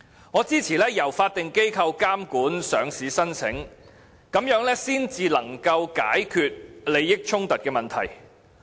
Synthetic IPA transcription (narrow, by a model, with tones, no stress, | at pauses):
ŋɔː˨˧t͡siː˥t͡sʰiː˨˩lɛː˥jɐ˨˩wfaː˧t̚t̪ɪ˨ŋke˥jkʰɐ˧wkaː˥mkuː˨˥nsœː˨˧ŋsiː˨˥sɐ˥nsʰɪ˨˥ŋ | kɐ˨˥mjœː˨˥ŋlɛː˥siː˥nt͡siː˨˧lɐ˨˩ŋkɐ˧wka̰ː˨˥jkʰyː˨˧t̚le˨˧jːɪ˥k̚t͡ʃʰʊ˥ŋt̪ɐ˨t̚kɛː˧mɐ˨nt̪ʰɐ˨˩j